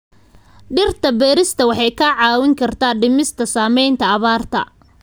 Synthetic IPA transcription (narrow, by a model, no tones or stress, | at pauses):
ɖɪrt̪ʰɐbɛːɾɪst̪ʰɐwɑħɑjkʰɐʕɑːwɪŋkʰɐrt̪ʰaːɖɪmɪst̪ʰɐsaːmɛjnt̪ʰɐːβaːrt̪ʰɐ̰